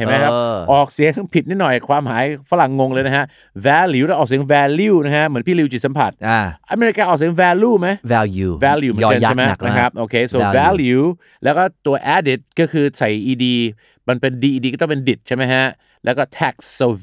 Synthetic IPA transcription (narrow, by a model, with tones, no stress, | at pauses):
a˨˩˦ma˦˥jkʰa˦˥ʔɔː˨˩k̚si˨˩˦əŋpʰi˨˩t̪̚niː˥˩nɔ˨˩ja˨˩kʰwaː˧mhaː˨˩˦jfa˦˥la˨˩ŋːo˧ŋləː˧jna˦˥kʰa˦˥ʔ | wɛː˧ljuː˧a˦˥ʔɔː˨˩k̚si˩˦əŋwɛː˧luː˧na˥kʰa˦˥ʔmɯ˩˦npʰiː˥˩˨li˧wt͡ɕi˨˩t̪̚sa˩˦mpʰa˨˩t̪̚a˧ʔa˧meː˧ɾi˦˥kaː˧ʔɔː˨˩k̚si˨˩˦əŋwɛː˧luː˧˩ma˦˥jwɛ˧u˧wɛː˧ljuː˧mɯ˩˦˧t͡ɕːa˥˩jma˦˥˩na˦˥kʰa˦˥p̚ʔoː˧kʰeː˧˩soː˧vɛː˧ljuː˧ | lɛː˦˥wkɔː˥˩t̪u˧ɐʔɛː˦˥di˨˩t̪̚kɔː˥˩kʰɯː˧sa˨˩jʔiː˧diː˧ | ma˧npe˧ndiː˧ʔiː˧diː˧kɔː˥˩t̪ɔ˥˩˨pe˧ndi˨˩t̪̚t͡ɕa˥˩jma˦˥jkʰa˦˥ʔ | lɛ̰˦˥wkɔː˥˩t̪ʰɛː˦˥˩k̚ːo˧